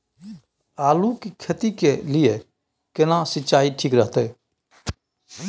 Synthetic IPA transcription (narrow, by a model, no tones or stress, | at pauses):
aːlukikʰət̪ikelije | kɪnasɪt͡ʃaːiʈʰiːkɾəɦt̪ɛ